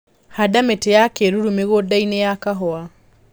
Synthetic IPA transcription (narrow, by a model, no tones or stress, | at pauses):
hadametejakeɾuɾumeɣodainejakaɦɔa